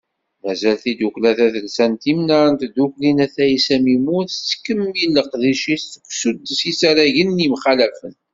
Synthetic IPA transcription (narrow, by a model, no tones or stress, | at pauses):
mæzælθid̪uklæθæθəlsænt̪imnaɾənt̪d̪uklinæθæisæmimuθt͡sːkːəmːilːəqðiʃisəkʷːsud̪ːəsisaɾæʝənːimχælæfən